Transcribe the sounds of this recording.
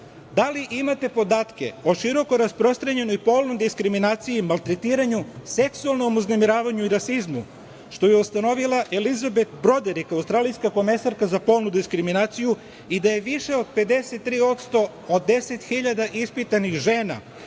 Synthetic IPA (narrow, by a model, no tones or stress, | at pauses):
d̪aliʔimat̪e̞po̞d̪aːt̪ke̞̰o̞ʃiɾo̞ko̞ɾaspɾo̞st̪ɾaɲe̞nojpo̞ːlˠnojd̪iskɾiminaːt̪sijimalˠt̪ɾe̞t̪iːɾaɲuse̞ksualˠno̞muznemiɾaːʋaɲuiɾasizmu | ʃt̪o̞jeust̪ano̞ʋilˠaʔelizabet̪bɾo̞d̪eɾikaust̪ɾaːlijskako̞me̞saɾkazapo̞ːlˠnud̪iskɾiminaːt̪siju | id̪aje̞ʋiʃe̞o̞d̪̚pe̞d̪e̞se̞t̪ːɾiːo̞t̪st̪o̞ | od̪ːe̞set̪xiʎad̪aʔispit̪anixʒe̞ːna̰